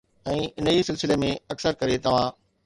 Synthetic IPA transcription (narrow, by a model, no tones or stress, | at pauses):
ɛ̃ːʔɪnəisɪlsɪlemẽɐksəɾkɐɾet̪ɐʋ̤ã